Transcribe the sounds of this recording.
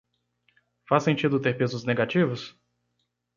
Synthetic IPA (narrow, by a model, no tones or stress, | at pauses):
fasẽnt͡ʃid̪ʊt̪eɾpezʊzneɡat͡ʃivʊs